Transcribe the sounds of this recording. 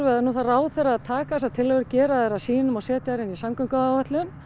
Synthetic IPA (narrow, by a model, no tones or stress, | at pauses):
vɛðanuːθaraːwθɛrːaaðt̪ʰaːkas̬ḁt̪ʰɪlhœɣʏɾcɛːɾaðɛɾasiːnʏmawsɛːt̪ɪaɾɪnisamkœŋkaawvat̪lʏn